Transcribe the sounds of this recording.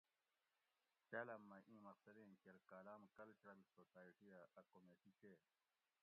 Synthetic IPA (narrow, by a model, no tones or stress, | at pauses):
paːlɐmːɐʔĩːmɐqsɐliːnkeɾkaːlaːmkɐlt͡ɕɾɐlsoːsaːjʈiaʔɐkomeːʈikeː